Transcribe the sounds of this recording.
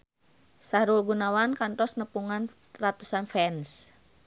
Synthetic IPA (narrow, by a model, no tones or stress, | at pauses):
saɾulɡunawankant̪ɔsnəpuŋan | rat̪usanfɛns